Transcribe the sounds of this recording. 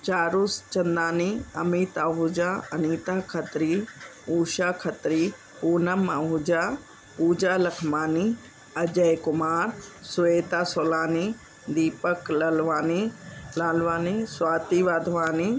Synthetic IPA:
t͡ɕaːɾʊst͡ʃɐnd̪aːniɐmiːt̪aːɦʊd͡ʒaɐniːt̪aːkʰɐt̪ɾiuːʃaːkʰɐt̪ɾi | puːnɐmːaːɦʊd͡ʑaː | puːd͡ʑaːlɐkʰmaːni | ɐd͡ʑɐjkʊmaːɾsʊeːt̪aːsoːlaːni | d̪iːpəklɐlʋaːnilaːlʋaːniswaːt̪iʋaːd̪ʱʋaːni

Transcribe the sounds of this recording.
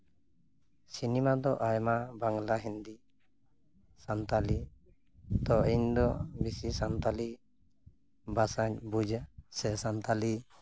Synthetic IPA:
sinimad̪ɔʔajmabaŋlaɦind̪i | sant̪ali | t̪ɔiɲd̪ɔbisisant̪ali | basaɲbud͡ʒsɛsant̪ali

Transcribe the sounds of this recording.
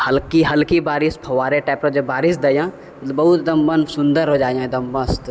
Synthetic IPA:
həlkiɦɐlkibaːɾɪspʰɐʋaːɾeʈɛːpɾəd͡ʒɐbaːɾɪsd̪ɐjã | bɐɦʊt̪d̪ɐmbənsʊ̃nd̪əɾɦod͡ʒaːjãd̪ɐmbə̃st̪

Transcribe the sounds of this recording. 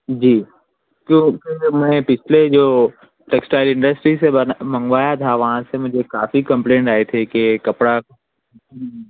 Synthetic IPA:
d͡ʒiː | kjõkĩmɛ̃pɪt͡ʃʰled͡ʒoː | ʈeːksʈaːɪlɪ̃ɳɖəsʈɾisenmɐ̃ŋɡʋaːjat̪ʰaʋɐɦãsemʊd͡ʒʱekaːfikɐ̃mplẽːɳʈaːɦet̪ʰekekɐpɽa

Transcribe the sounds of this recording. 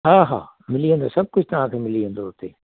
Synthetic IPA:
ɦãːɦa̰ː | mɪliə̃nd̪o̰sɐb̚kʊd͡ʒʰt̪ɐɦãːkʰeːmɪliə̃nd̪oɦot̪eː

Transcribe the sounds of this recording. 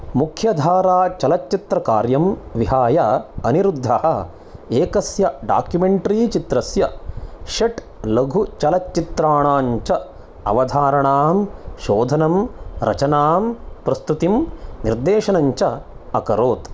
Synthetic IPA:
mukʰjɐd̪ʱaːɾaːt͡ʃɐlɐtt͡ʃit̪ɾɐkaːɾjɐmʋiɦaːjɐɐniɾud̪ʱːɐɦɐ | eːkɐsjɐɖa̰ːkjumeɳʈɐɾiːt͡ʃit̪ɾɐsjɐʃɐʈ | lɐɡʱut͡ʃɐlɐtːit̪ɾaːɳaːɲt͡ʃɐ | ɐ̰ʋɐd̪ʱaːɾɐɳaːmʃoːd̪ʱɐnɐmɾɐ̰t͡ʃɐnaːmpɾɐst̪ut̪imniɾd̪eːʃɐnɐɲt͡ʃɐɐkɐɾoːt̪

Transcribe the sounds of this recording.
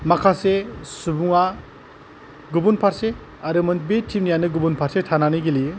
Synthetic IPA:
makʰasesubuŋa | ɡubunpʰaɾse | aɾɯmɯnbetʰimnijanɯɡubunpʰaɾsetʰananiɡeli

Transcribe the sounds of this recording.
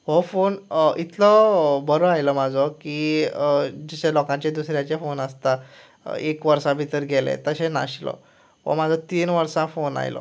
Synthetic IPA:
ɦofonit̪ʰləbəɾoajləmad͡zʱɔkiː | d͡ʑiɕelɔkãt͡ɕed̪usɾjãt͡ɕefonəst̪a | ekʋəɾsabʱit̪əɾɡʱelḛt̪əɕena̰ɕlɔ̰ | ʋə̰mad͡zʱɔt̪iːnʋəɾsãfona̰jlɔ̰

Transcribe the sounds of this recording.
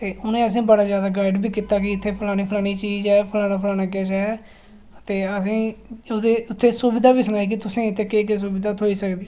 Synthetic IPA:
t̪eːʊnẽːəs̬ĩːbəɽaːzjaːd̪aːɡaːɪɖbʱiːkiːt̪aːkɪɪt̪ʰːeːpʰəlaːɽ̃iːpʰəlaːɽ̃iːt͡ʃiːzɛːpʰəlaːɽaːpʰlaːnaːk̬eːt͡ʃɛː | t̪eːəsĩːoːd̪eːʊt̪ʰːeːsuːbɪd̪aːbiːsənaːiːk̬ɪt̪ʊsẽːɪt̪ʰːeːkeːkes̬uːbɪd̪aːt̪ɦoːiːsəkd̪iː

